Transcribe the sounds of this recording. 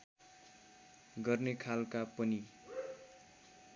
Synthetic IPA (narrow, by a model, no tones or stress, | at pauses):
ɡʌrnekʰalkapʌni